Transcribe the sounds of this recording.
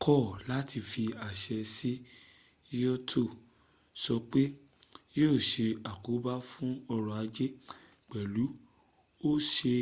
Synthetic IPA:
kʰɔ˦˨la˨˦ti˧fi˧a˨ʃɛ˧si˦ | jɔ˦tʰo˦˨ | sɔ˧k͡pe˦ | joː˦˨ʃe˧a˨ku˨˦ba˦fũ˦ɔ˧ɾɔ̃˧˨a˨˧d͡ʒe˦ | k͡pɛ˨lu˨˦ | o˦ʃe˧

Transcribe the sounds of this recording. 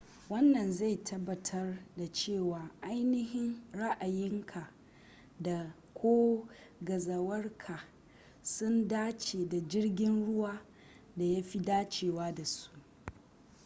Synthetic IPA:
wɐ˦nːɐ˨nza˦˨jtʰɐ˦bːɐ˨tʰɐ˦rda˨t͡ʃeː˦˨waː˨ʔa˦jnɪ˦hɪ˦nɽa˦ʔa˨jɪ˦ŋkʰa˨ | da˨ | kʷʰoː˦ | ɡɐ˨zɐ˨wɐ˦rkʰa˨ | sʊ˦ndaː˦t͡ʃeː˨da˨d͡ʒɪ˦rɡʲɪ˦nɽʊ˦waː˦ | da˨ja˦ɸi˦daː˦t͡ʃeː˨waː˦da˨su̥˦ʔ

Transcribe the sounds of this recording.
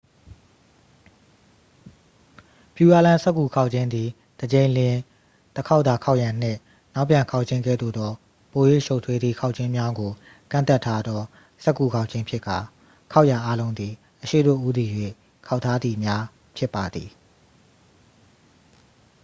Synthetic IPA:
pju˨ja˦lã˦sɛ˦kːu˨kʰa˦ʊʔt͡ɕʰɪ̃˦nd̪ði˨ | d̥əd͡ʑẽ˨ɪ̃lɪ̃˨ | t̪əkʰa˦ʊt̪a˨kʰa˦ʊʔjã˨n̥ɪ̰̃˦˨ | na˦ʊpjã˨ŋkʰa˦ʊʔt͡ɕʰɪ̃˦ŋɡɛ̰˦˨d̪o̰˦˨d̪ɔ˦ | po˨jwḛ˦˨ʃo˦ʊtʰwe˦d̪ðḭ˦˨kʰa˦ʊʔt͡ɕʰɪ̃˦mja˦ɡo˨ | kã̰˦˨nt̪a˦˨tʰːa˦d̪ɔ˦ | sɛ˦ʔkːu˨kʰa˦ʊʔt͡ɕʰɪ̃˦mpʰjɪ˦ka˨ | kʰa˦ʊʔja˨ʔa˦lõ˦ʊ̃nd̪ði˨ | ʔəʃḛ˦˨ɾo̰˦˨ʔu˦d̪i˨jwḛ˦˨ | kʰa˦ʊtʰːa˦d̪ði˨mja˦ | pʰjɪ˦pːa˨d̪i˨

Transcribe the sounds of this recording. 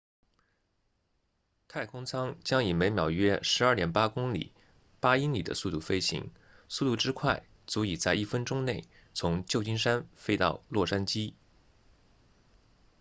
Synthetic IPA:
t̪ʰa˥˩ɪkʰʊ˥ŋt͡sʰɑ˥ŋt͡ɕjɑ˥ŋi˨˩me˧˥ɪmjɑ˨˩ʊɥɛ˥ʂɻ̩˧˥ɐ˞˥˩ljɛ˧˥˩npa˥kʊ˥ŋlḭ˨˩˦ | pa˥i˥nli˨˩d̪ə̰˦su˥˧t̪u˥˩fe˥ɪɕḭ˧˥ŋ | su˥˧t̪u˥˧ʈ͡ʂɻ̩˥kʰwa˥˩ɪ | t͡su˧˥i˨˩t͡sa˥˧ɪi˥˩fə˥nʈ͡ʂʊ˥ŋne˥˩ɪ | t͡sʰʊ˧˥ŋt͡ɕjo˥˧ʊt͡ɕi˥nʂa˥nfe˥ɪt̪ɑ̰˥˧ʊlwɔ˥˩ʂa˥nt͡ɕi˥

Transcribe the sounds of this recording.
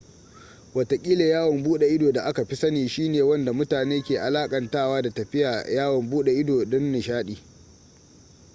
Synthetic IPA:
wɐ˨tɐ˨kʲʼiː˦le˨jaː˦wɐ˨mbuː˦ɗe˨ʔɪ˦doː˨da˨ʔa˦ka˨ɸi˦sɐ˦niː˨ʃiː˦neː˨wɐ˦nda˨mʊ˦taː˨neː˦kʲeː˨ʔa˨laː˦kʼɐ˨ntaː˦˨waː˦da˨tɐ˨ɸɪ˦jaː˨jaː˦wɐ˨mbuː˦ɗe˨ʔɪ˦doː˨ɗʊ˦nːɪ˨ʃaː˦ɗiː˨

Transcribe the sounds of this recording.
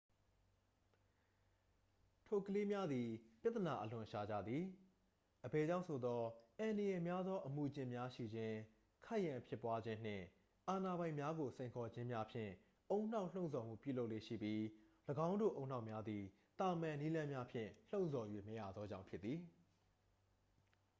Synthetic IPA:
tʰo˨kəle˦mja˦d̪i˨pja˦t̪ːəna˨ʔəlʊ̃˨ʃa˨d͡ʑä̰˦˨d̪ði˨ | ʔəbɛ˨d͡ʑã˦˨ʊ̃sʰo˨d̪ɔ˦ʔã˨ndə˨jɛ˨mja˦d̪ðɔ˦ʔəmu˨d͡ʑɪ̃˦mja˦ʃḭ˦˨d͡ʑɪ̃˦ | kʰa˦˨ʔjã˨pʰjɪ˦pwa˦d͡ʑɪ̃˦n̥ɪ̰̃˦˨ | ʔa˨na˨bã˨ɪ̃mja˦ɡo˨sẽ˨ɪ̃ŋkʰɔ˨d͡ʑɪ̃˦mja˦pʰjɪ̰̃˦˨ | ʔõ˦ʊ̃n̥a˦ʊʔl̥õ˦˨sʰɔ˨m̥ṵ˦˨pju˦˨lo˦ʊʔlḛ˦˨ʃḭ˦˨pji˦ləɡã˦ʊ̃ndo̰˦˨ʔõ˦ʊ̃n̥a˦ʊʔmja˦d̪i˨ | t̪a˨mã˨ni˦lã˦mja˦pʰjɪ̰̃˦˨l̥õ˦˨ʊ̃nsʰɔ˨jwḛ˦˨məja̰˦˨d̪ðɔ˦d͡ʑã̰˦˨ʊ̃pʰjɪ˦t̪ːi˨

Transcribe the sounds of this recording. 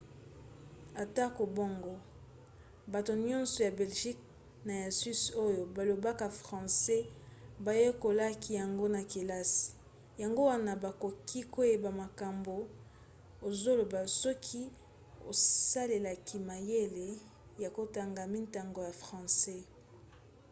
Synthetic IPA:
a˨ta˦ko˨bo˦ŋɡo˦ | ba˨to˨ɲɔ̃˦nsɔ˨ja˨bɛ˨lʒi˦k̚ | na˨ja˨si˦so˦jo˨ba˨lo˨ba˦ka˨fʁɑ̃˨sɛ˦ba˨je˦ko˨la˦ki˦ja˨ŋɡo˦na˨ki˨la˦si̥˨ | ja˨ŋɡo˦wa˦na˨ba˨ko˨kʰi˦ko˦je˦ba˨ma˨ka˨mbo˨ | o˨zo˦lo˨ba˨sɔ˦kʰi˦ | o˨sa˦le˨la˨kʰi˨ma˨je˦le˨ | ja˨ko˦ta˨ŋɡa˨mi˦nta˨ŋɡo˨ja˨fʁɑ̃˨sɛ˦

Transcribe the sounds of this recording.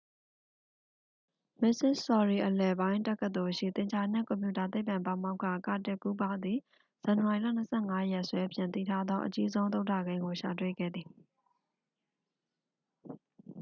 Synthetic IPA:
mɪ˦ʔsɪ˦˨ssɔ˨ɹi˨ʔəlɛ˨bã˦ɪ̃tɛ˦kːə˦t̪o˨ʃḭ˦˨t̪ɪ̃˨ɲt͡ɕʰa˨nɪ̰̃˦˨kɔ̃˨mpju˦˨ta˨t̪̬e˦ɪpã˨mpã˨ma˦ʊkʰːa̰˦˨ka̰˦˨tɪ˦ʔku˦pã˦d̪ði˨ | z̥ã˨nə˨wa˨i˨la̰˦˨n̥əsʰɛ̰˦˨ŋa˦jɛ˦ʔswɛ˦pʰjɪ̃˨t̪ḭ˦˨tʰa˦d̪ɔ˦ʔət͡ɕi˦zõ˦ʊ̃nt̪̬o˦ʊtʰa̰˦˨ɡẽ˦ɪ̃ŋɡo˨ʃa̰˨t̬wḛ˦˨ɡɛ̰˦˨d̪ði˨

